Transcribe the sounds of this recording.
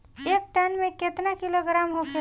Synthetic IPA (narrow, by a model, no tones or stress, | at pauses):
ek̚ʈanmẽket̪nakiloɡɾamɦokʰe